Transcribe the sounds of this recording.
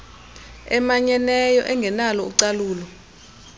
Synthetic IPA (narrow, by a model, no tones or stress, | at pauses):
ɛmaɲɛnɛjɔ̰ʔɛŋɡʱɛnalɔuǀaluːlɔ